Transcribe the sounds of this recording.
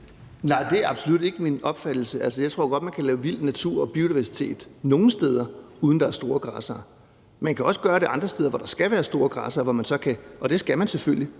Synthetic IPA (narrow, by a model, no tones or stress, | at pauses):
nɑ̈ɪd̥e̝æɐɑ̈b̥so̝lud̥e̝ɡ̥əminɒ̽b̥fæd̥l̩səælsəjɑ̈ɪt͡sʰʁo̝ɐ̰ɡ̥ɒ̽d̥̚mænkʰælɛːʊʋil̰d̥næt͡sʰuɐ̰ɒ̽b̥io̝diʋæɐsi̥t͡sʰe̝̰ːd̥no̝ːn̩sd̥eːð̞ˠɐ | uðˠn̩d̥ɑ̈æɐsd̥o̝ːɐɡ̥ʁɑ̰̈ːsɐː | mænkʰæɒ̽sə̥ɡ̥ɶːɐɾeɑ̈nd̥ʁɐsd̥eð̞ˠɐʋɒɾ̥ɑ̈sɡ̥æʋæːɐsd̥o̝ːɐɡ̥ʁɑ̈ːsɐʋɒmænsɒ̽kʰæʔɒ̽d̥e̝sɡ̥æmænseføl̰ji